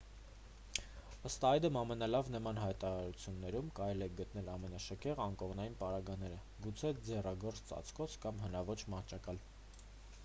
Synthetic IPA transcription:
əst̪ɑjd̪əmɑmɛnɑlɑvnəmɑnɦɑjt̪ɑɾɑɾut͡sʰjunːɛɾumkɑɾɛlɛɡət̪n̪ɛlɑmɛnɑʃəkʰɛʁɑŋkɔʁnɑjinpɑɾɑɡɑnɛɾə | ɡut͡sʰɛd͡zɛrɑɡɔɾt͡st͡sɑ̰t͡sʰkɔt͡sʰkɑmɦənɑvɔt͡ʃʰmɑht͡ʃʰɑkɑl

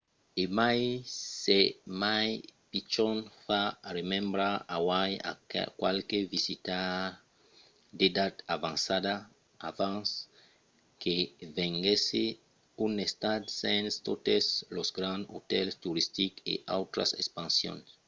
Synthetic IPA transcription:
emajsemajpit͡ʃonfaremẽmbɾaawaja̰kwalkevisit̪a | d̪ed̪at̪avãnsad̪a | avãns | kevẽŋɡese | unest̪ad̪sẽnst̪ot̪eslosɡɾãndot̪elst̪uɾist̪ikḛʔa̰wt̪ɾa̰sḛspãnsjõ̰ns

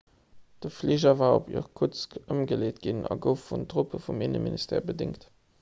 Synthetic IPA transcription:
d̥əfliʑɐvaːopḭəʁkʰʊt͡skəmɡəleːtɡ̥inɑ̰ɡəʊfːuntʁopəfuminə̰ministʰḛːɐbədɪŋkt

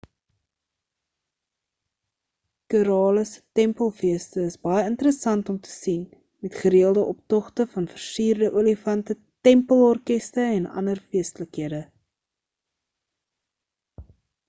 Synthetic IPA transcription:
køɾɑːləsə̥tɛmpəlˠfiəstəəsbɐjəəntəɾəsɐntɔmtə̥sin | mɛtχəɾiəlˠdəʔɔp̚tɔχtəfɐnfərsiːrdəʔuəlifɐntə | tɛmpəlˠɔrkɛstəɛnɐ̰ndərfiəstələkɦiədə

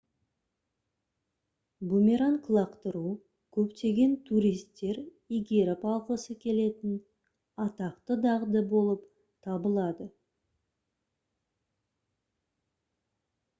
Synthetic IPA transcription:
bumʲeɾaŋkʰlˠɑqt̪əɾu | kʲʰɵpt̪e̞ɡʲe̞nt̪ʰuɾijst̪ːe̞ɾ | iɡʲeɾapɑlˠqəsəkʲʰe̞le̞t̪ɪn | ɑt̪ɑqt̪əd̪ɑʁd̪əbo̞lˠəp | t̪ʰɑbəlˠɑd̪ə

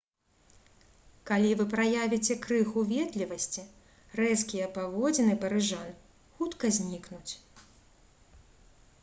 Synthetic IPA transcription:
kalʲivɨpɾajavʲit͡sʲɛkɾɨxuvʲɛt̪lʲivɐsʲt͡sʲi | rɛskʲijɐpavɔd͡zʲɛnɨpɐɾɨʐan | xut̪kɐzʲnʲiknut͡sʲ

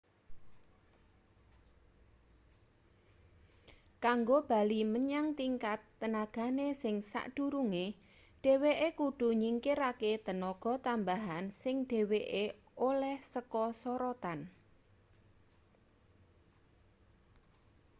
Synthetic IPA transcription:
kaŋɡob̥a̤liməɲaŋt̪iŋkat̪ːənaɡ̥a̤nesɪŋsa̰ʔɖ̥ṳɾuŋe | ɖ̥e̤weʔekuɖ̥ṳɲiŋkɪɾaket̪ənɔɡ̥ɔ̤t̪ambaɦansɪŋɖ̥e̤weʔe | olɛhsəkɔsɔɾɔt̪an

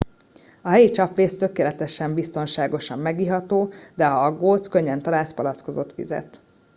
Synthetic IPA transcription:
ɒɦɛjit͡ʃɒpʋeːst̪ø̞keːlɛt̪ɛʃɛmbist̪o̞nʃaːɡo̞ʃɒmːɛɡiɦɒt̪oːd̪ɛɒɒɡːoːt̪skøɲːɛnt̪ɒlaːspɒlɒsko̞zo̞t̪ʋḭzɛ̰t̪

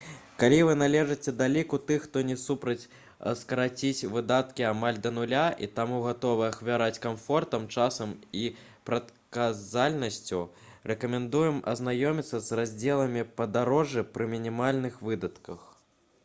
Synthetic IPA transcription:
kalʲivɨnalʲɛʐɨt͡sʲɛd̪alʲikut̪ɨxːt̪ɔnʲɛsupɾɐt͡sʲ | skɐɾat͡sʲit͡sʲvɨd̪at̪kʲiamalʲd̪ɐnulʲaʔḭt̪amuɣat̪ɔvɨɐxvʲaɾat͡sʲkamfɔrt̪ɐmt͡ʂasɐmi | pɾɐt̪̚kazalʲnɐsʲt͡sʲu | rɛkɐmʲɛnd̪ujɛmɐ̰znajɔmʲit̪sːɐzrazʲd͡zʲɛlˠɐmʲipɐd̪aɾɔʐɨpɾɨmʲinʲimalʲnɨxvɨd̪ɐt̪kɐx

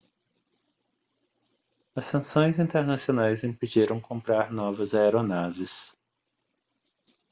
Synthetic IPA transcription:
ɐsːɐ̃sõj̃zĩnt̪eɾnasionajzĩpid͡ʒiɾɐ̃w̃kõmpɾaɾnɔvɐzaeɾonavɪs

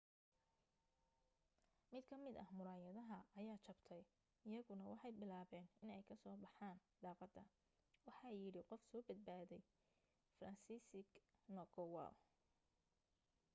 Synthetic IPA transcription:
mɪd̪kʰɐmɪd̪ɐhmʊɾaːjɐðɐɦɐɐjaːt͡ʃʰɐbt̪ʰɛj | ɪjɐɣʊnɐwɑħɑjbɪlaːβɛːnɪnɛjkʰɐsɔːbɑħaːn | ɖɑːqɑd̪ɐ | wɑħɑjɪɽɪqɔfsɔːbɐd̪̚baːðɛj | frɐnsiːsɪɡnɔɡɔwɐ̰l

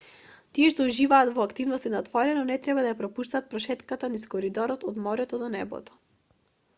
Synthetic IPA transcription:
t̪iɛʃt̪ɔuʒivaːt̪vɔakt̪ivnɔst̪inat̪vɔɾɛnɔnɛt̪ɾɛbad̪ajapɾɔpuʃt̪aːt̪̚pɾɔʃɛt̪kat̪aniskɔɾid̪ɔɾɔt̪ɔd̪mɔɾɛt̪ɔd̪ɔnɛbɔ̰t̪ɔ̥

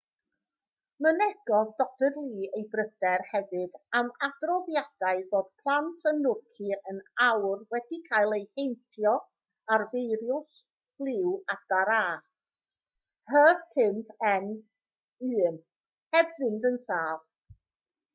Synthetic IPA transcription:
mənɛɡ̥ɔdɔd̥ədlˠiːejbrəd̥ɛrhɛvɨdamadrɔðjad̥aɨðoːd̥pʰlˠantʰənʊrkʰiənawrwɛdikʰajlˠejhejntʰjɔ | arvejɾjʊs | flˠɪwad̥aɾaː | həkʰɪmpʰɛn | ɨːm | hɛbvɨndənsaːlˠ

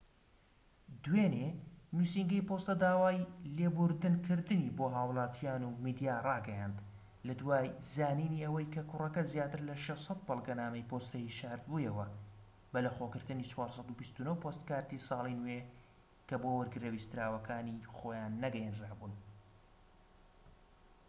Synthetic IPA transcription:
d̪weːnenusiŋɡɐjpost̪ɐd̪aːwaːjleːbʊɾd̪ɨnkʰɨɾd̪ɨniboːɦaːwlˠɑːt̪ʰijaːnumiːd̪ijaːrɑːɡɐjaːnd̪ | lɐd̪waːjzaːniːniʔɐwɐjkʰɐkʰʊrɐkɐzjaːt̪ɨɾlɐʃɛsˤɑt̪̚bɐlˠɡɐnaːmɐjpost̪ɐjiʃaɾd̪̚bujɐwɐ | bɐlɐxokɨɾt̪ɨniːt͡ʃʰwɑːɾsˤɑd̪ubist̪unowpost̪kaːɾt̪isɑːlˠinwe | kɐbowɐɾɡɨɾɐwiːst̪ɾaːwɐkʰaːnixoːjaːnːɐɡɛjenraːbuːn

